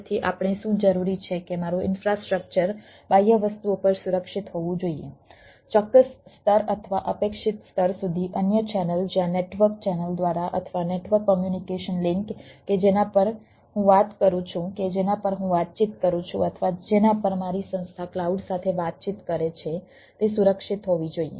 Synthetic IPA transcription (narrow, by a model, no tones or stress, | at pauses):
t̪ʰiʔa̰pɳ̃iʃũd͡ʒəɾuɾit͡ʃʰekemaɾuɪ̰nfɾasʈɾək̚t͡ʃəɾ | bajəʋəst̪uopəɾsuɾəkʃit̪ɦoʋũd͡ʒoiḛ | t͡ʃɔkːəsːt̪ʰəɾət̪ʰʋaʔəpekʃɪt̪st̪ʰəɾsud̪ʱiʔənjət͡ʃɛnəld͡ʒjãneʈʋəɾk̚t͡ʃɛnəld̪ʋaɾaʔə̰t̪ʰʋaneʈʋəɾkːɔmjunikeʃənlɪŋkked͡ʒenapəɾ | ɦũʋat̪kəɾũt͡ʃʰũked͡ʒenapəɾɦũʋat̪̚t͡ʃit̪kəɾũt͡ʃʰṵ̃ət̪ʰəʋad͡ʒenapəɾmaɾisə̃nst̪ʰaklauɖsat̪ʰeʋat̪̚t͡ʃit̪kəɾet͡ʃʰe | t̪esuɾəkʃit̪ɦoʋid͡ʒoijḛ